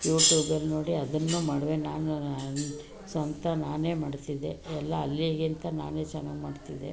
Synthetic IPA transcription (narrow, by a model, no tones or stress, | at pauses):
juːʈjuːbɐlno̞ːɽiɐd̪ɐnːuːmaːɽʋenaːn | sʋɐnt̪ʰɐnaːne̞ːmaːɖt̪id̪e̞ɛlːɐːlːiɡint̪ɐna̰ːne̞ːt͡ʃɛnːaːɡmaːɖt̪id̪ḛ